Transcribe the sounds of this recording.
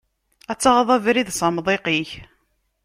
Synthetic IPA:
æt͡sːɑʁðˤævɾiðsɑmðˤiqiç

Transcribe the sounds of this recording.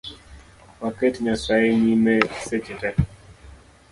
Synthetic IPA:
waketɲasaeɲimɛset͡ʃɪtɛ

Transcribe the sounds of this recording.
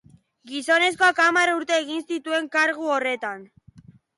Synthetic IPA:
ɡiso̞ne̞s̬ko̞akamaruɾt̪e̞ːɣinsit̪ue̞ŋkaɾɣuore̞t̪an

